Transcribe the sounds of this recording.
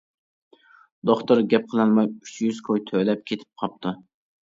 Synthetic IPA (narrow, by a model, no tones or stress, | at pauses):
d̪̥oχt̪ʊɾɡʲɛp̚qʰəlˠɨnmɑjyt͡ʃʰjyz̥kʰojt̪ʰølɛp̚kʲʰet̪ʰɪ̥p̚qʰɑp̚t̪ʰu